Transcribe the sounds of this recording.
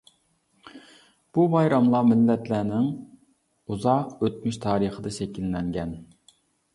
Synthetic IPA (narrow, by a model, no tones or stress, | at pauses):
b̥ubɑjɾɑmlˠɑmɪlːɛt̪læːnɪŋ | uzɑqøt̪myʃt̪ʰɑːɾəχəd̪ɨʃɛkʲilːɛŋɡʲɛn